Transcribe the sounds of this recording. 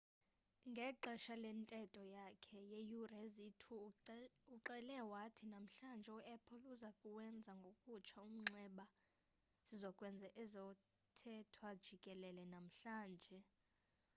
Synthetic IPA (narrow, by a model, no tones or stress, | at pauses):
ŋɡʱɛǃʱɛʃalɛntʼɛtʼɔjakʰɛjejurezitʰu | uǃɛlɛwatʰinam̩ɬand͡ʒʱɛuʔɛpʰɔluzakʼuwɛnd͡zʱaŋɡʱokʼut͡ʃʰaum̩ŋ͡ǁɛɓa | z̥izɔkʼwɛnd͡zʱɛʔɛzɔ | tʰɛtʰwad̥ʒ̥ʱikʼɛlɛlɛnam̩ɬaːnd͡ʒʱɛ